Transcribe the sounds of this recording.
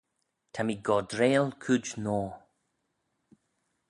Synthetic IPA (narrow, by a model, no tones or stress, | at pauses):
tʰamiɡɔd̪ɾeːlkʰʉd͡ʒnɔː